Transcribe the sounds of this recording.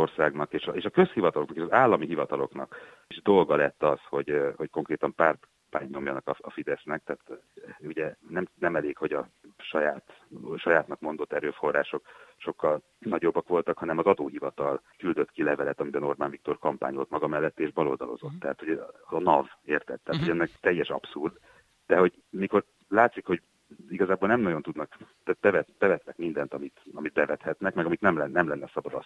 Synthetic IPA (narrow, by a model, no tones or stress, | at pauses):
orsaːɡnɒkeːʃeːʃɒkø̞shivɒt̪ɒloknɒkeːʃɒzaːlːɒmiɦivɒt̪ɒlo̞knɒ̰k | iʒd̪o̞lɡɒlɛt̪ːɒsho̞ɟho̞cko̞ŋkreːt̪ɒmpaːrt̪ | paːɲɲo̞mjɒnɒkɒɒfid̪ɛsnɛk̚t̪ɛːt̪uɟɛnɛmnɛmɛleːkho̞ɟɒʃɒjaːt̪ʃɒjaːt̪nɒkmo̞n̪d̪o̞t̪ːɛɾøːfo̞rːaːʃo̞kʃo̞kːɒl | nɒɟo̞bːɒkʋo̞lt̪ɒkhɒnɛmɒzɒd̪oːɦivɒt̪ɒlkyld̪ø̞t̪kilɛvɛlɛt̪ɒmibɛno̞rbaːnvik̚t̪o̞rkɒmpa̰ːɲo̞lt̪mɒɡɒmɛlːɛt̪ːeːʒbɒlo̰ːld̪ɒ̰lo̞̰zo̞t̪ːɛɦaːt̪ho̞ɟnɒveːrt̪ɛt̪ːɛːt̪ho̞ɟɛnːɛkt̪ɛjːɛʃɒ̰psurd̪ | d̪̥ɛho̞ɟ | miko̞r | laːt̪sikho̞ɟ | iɡɒzaːboːlnɛmnɒɟo̞nt̪ud̪nɒkt̪aːt̪̚bɛvɛt̪b̥ɛvɛt̪nɛkmind̪ɛnt̪ɒmit̪ɒmid̪bɛvɛt̪hɛt̪nɛkmɛɡɒmit̪nɛmlɛnːɛmlɛnːɛsɒbɒd̪ɒs